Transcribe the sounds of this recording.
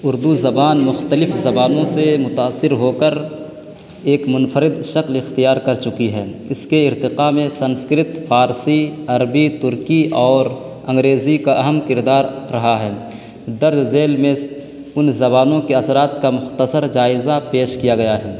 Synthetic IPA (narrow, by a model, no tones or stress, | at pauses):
ʊɾd̪uzɐbaːnmʊxt̪əlɪfzɐbaːnõsemʊt̪aːsːɪɾɦoːkəɾ | eːkmʊnfəɾɪd̪ʃɐklɪxt̪ijaːɾkɐɾt͡ʃʊkiɦɛːɪskeɪɾt̪ɪqamẽsɐ̃nskɾɪt̪fʰaːɾsiɐɾbit̪ʊɾkiʔɔːɾ | ɐ̃ŋɡɾeːzikaʔɐɦəmkɪɾd̪aːɾːɐɦaɦɛː | d̪ɐɾd̪zeːlmẽ | ʊnzɐbaːnõkeɐsɾaːt̪kamʊxt̪əsəɾd͡ʒaːɪzapeːʃkijaɡɐjaɦɛː